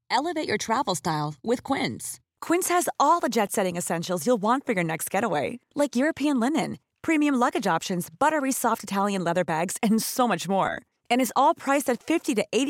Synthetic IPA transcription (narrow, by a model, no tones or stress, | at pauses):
ɛlˠəveɪt͡ʃə˞tʰɹ̥ævl̩ˠstaɪlˠwɪð̥kʰw̥ɪ̃ns | kʰw̥ɪ̃nshɨzɔlˠðəd͡ʒɛtsɛɾɪ̃ŋɨsɛ̃nʃl̩ˠzjulˠwɑ̃ntfə˞jə˞nɛkst̚ɡ̥ɛɾəweɪlaɪkjʊɹɨpʰiɨ̃nlɪ̃nɨ̃n | pʰɹ̥imiɨ̃mlʌɡɨd͡ʒɑpʃɨ̃nzbʌɾə˞isɔftɨtʰælˠjɨ̃nlɛðə˞bæɡz̥ɨ̃nsoʊmʌt͡ʃmɔ̰ɹ | ɨ̃ñɨzɔlˠpʰɹ̥aɪsɨtfɪftiɾɨʔeɪɾ